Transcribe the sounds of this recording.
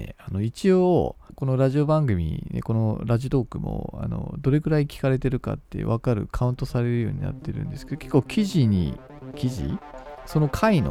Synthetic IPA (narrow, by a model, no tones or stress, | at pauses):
ḛano̞it͡ɕioko̞no̞ɾaʑiobãŋɡɯ̟mʲḭnḛko̞noɾaʑit̪o̞ːkɯ̟mo̰a̰no̞̰d̪o̞ɾe̞ɡɯ̟ɾaikʲi̥kaɾe̞t̪e̞ɾɯ̟ka̰t̪ːe̞̰βakaɾɯ̟̰kʰaɯ̟̃nt̪o̞saɾe̞ɾɯ̟jo̞ːɲ̟ina̰t̪ːe̞ɾɯ̟̃nd̪e̞sɨ̥ke̞d̪oke̞kːoːkʲiʑiɲ̟ḭ | kʲiʑḭso̞no̞kʰaino̰